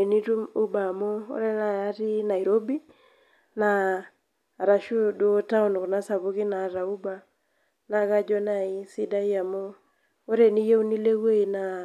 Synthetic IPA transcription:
e˨ni˦tu˦mu˦ba˨mo˦o̰˦ɾe˦na˨a˦ti˦na˨i˨ɾo˦bi˦ | naː˨ | ɾa˨ʃu˦du˨˦ta˦u˦nkɔ˨na˦sa˨βu˦ki˦na˨ɾa˨u˦ba˦ | na˨ka˦d͡ʒɔ˦na˨i˦si˦da˦i˦a˨mo˦ | o˦ɾe˨ni˦je˦u˦ni˦le˦we˦i˨na˨

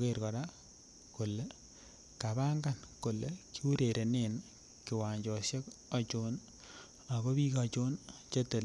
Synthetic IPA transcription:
ke˨rkɔ˨ɾa˦ | kʊ˨le˦ | ka˨βa˦ŋɡa˦˨nkʊ˨le˨ki˦u˦ɾe˨ɾʔe˨ne˦˨n | kɪ˨wa˨ɲd͡ʒɔ˨sje˦ka˨t͡ʃo˦n | a˨ko˦bi˦ka˨t͡ʃo˦nt͡ʃe˦te˨l

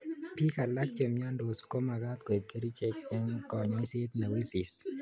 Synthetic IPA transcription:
pi˦ka˨la˦k̚t͡ʃe˨mɲa˦ndo˨sko˦ma˨ɡa˦t̪kwe˨t̚ke˦ɾi˦t͡ʃe˦ke˦ŋkɔ˨ɲ˨i˦se˦t̪na˨wi˦si˨s

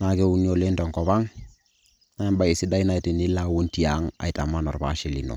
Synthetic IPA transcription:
na˨ɡe˦u˦ni˦o˨le˦nto˨ŋko˨βa˦ŋ | na˦ba˨i˨si˦da˦i˦na˨i˨ti˨ni˦la˦wu˦nti˦a˦ŋa̰˨i˨ta˨mːa˦no˨ɾba̰˨˦ʃi˦˨li˨no̰˨

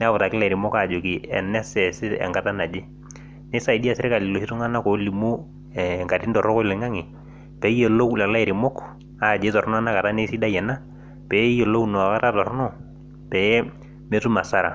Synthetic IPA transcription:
nɛ˦a˦bʊ˨ta˨kɪ˦la˨ɾɪ˨mɔ˦ka˨d͡ʒo˨ki˨ɛ̰˨nɛ˦sɛ˨sɪ˦tɛ̰˨ŋɡa˦ta˦na˨d͡ʒe˦ | ne˦sa˦i˨di˦a˨sɪ˦ɾka˨lɪ˨lo˨hi˦tʊ˦ŋa˦na˦ko˨˦li˨mu˦ | ɛ˨ŋka˨ti˦ntɔ˨ɾɔ˦kɔ˦i˦lo˨ŋa˦ŋi˨ | pɛ˨˦je˨lo˦kla˨la˦ɛ˨ɾɪ˨mɔ˦k | a˨d͡ʒe˦tɔ˨ɾn˦a˦na˦ka˨ta˦ne˦si˦da˦jɛ˨na˦ | pɛ˨˦jo˨lo˦u˦nɔ˨a˨ka˦ta˦tɔ˨ɾnɔ˦ | pɛ˨jɛ˦ | me˦tu˦ma˨sa˦ɾa̰˨

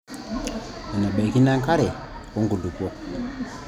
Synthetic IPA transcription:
a˨na˨ɓa˨ki˦na˦ŋ˦ka˦ɾe˨ | ko˦ŋɡu˨ndu˨po˦k̚

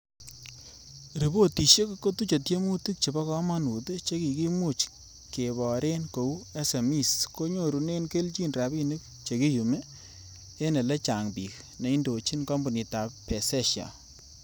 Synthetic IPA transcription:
ɾi˨bo˦ti˨ʃe˦kko˦tu˦t͡ʃo˨tje˦mu˦ti˦k̚t͡ʃe˨bɔ˦kɔ˦ma˦nu˨te˦t͡ʃe˦ki˨ki˦mu˦t͡ʃ | ke˨bɔ˨ɾe˦nko˨u˦e˦se˨mi˦˨sko˦ɲo˦ɾu˨ne˦nke˦lt͡ʃi˦nɾa˨bi˦nɨ˦k̚ | t͡ʃe˨ki˦ju˨meː˦ | ne˨le˦t͡ʃa˨ŋbi˨k̚ | ne˨i˦ndo˨t͡ʃi˦nkɔ˦mbu˨ni˨ta˨pɛ˨sɛ˦ʃja̰˨

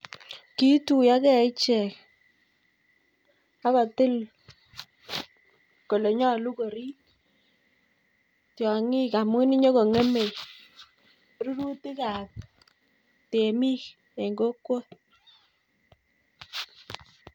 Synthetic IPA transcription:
ki˦tu˨ja˦kɛ˦˨ɪ˦t͡ʃɛ˨k | a˦βa˨tɪ˦l | ko˨le˨ɲɔ˦lu˦ko˨ɾi˦ | tjɔ˨ŋɪ˦ka˨mwɪ˦ni˦ɲɔ˦ko˨ŋe˦me˨j | ɾu˦ɾu˦ti˦ka˨p̚ | te˨mi˦k | e˨ŋɡo˦kːwo˦

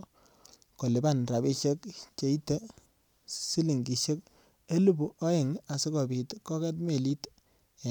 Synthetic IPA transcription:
ko˨lɪ˨ba˦˨nra˨bi˦ʃe˦kt͡ʃe˨˦i˦tːe˦ | si˦li˨ŋɡi˨ʃe˦k | e˦lu˦bu˨ʔɔ˦ɪ˨ŋa˨sɪ˦kɔ˨bi˨tkɔ˦kɛ˦tme˨li˦t

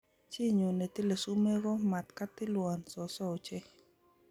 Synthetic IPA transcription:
t͡ʃi˦ɲo˨ne˨t̪ɪ˦le˨su˦me˦ɡɔ˦ma˨t̪ka˦t̪ɪ˦lwa˨nsɔ˨sɔ˦o˨t͡ʃɛ˦

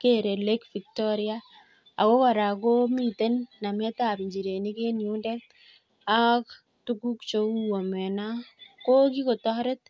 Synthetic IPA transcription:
ke˦ɾe˨le˦kfi˨k̚tɔ˦ɾɪa˦ | a˨ko˦ka˨ɾa˨ko˦mi˨te˦nːa˨mɛ˦ta˨pi˨ɲd͡ʒi˨ɾe˨ni˦ke˦nu˦nde˦k̚ | a˦k | tu˦ku˦kt͡ʃo˦u˦wo˨mɛ˨na˦ko˦ki˦ko˨tɔ˦ɾe˦t

